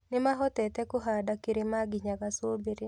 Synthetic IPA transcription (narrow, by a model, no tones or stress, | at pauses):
nɪmaɦɔt̪ɛt̪ɛkʊɦadakeɾemaɡɪɲaɡaswobeɾe